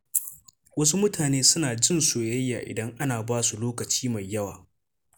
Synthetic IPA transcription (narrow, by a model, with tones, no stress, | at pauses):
wɐ˦su˦mʊ˦tʰaː˨neː˦sʊ˦naː˨d͡ʒɪ˦nsoː˨jɐ˦jːa̰ː˨ʔɪ̰˨dɐ˦ŋʔa˦naː˨baː˦su˨loː˦kɐ˨t͡ʃiː˦ma˨jːɐ˦wa̰ː˨